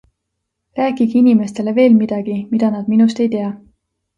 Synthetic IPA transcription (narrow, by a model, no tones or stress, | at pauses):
ræːkiɡinime̞st̪e̞le̞ve̞ːlmid̪̥ɑɡ̥imid̪̥ɑnɑd̪̥minust̪e̞jt̪e̞ɑ